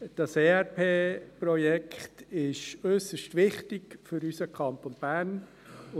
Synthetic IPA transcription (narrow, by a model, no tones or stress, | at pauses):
d̥ɑseːɛɾpʰeːpɾɔjɛkχtɪʃøsəʃtʋɪχtɪɡfʏɾysəkʰɑntonb̥æːn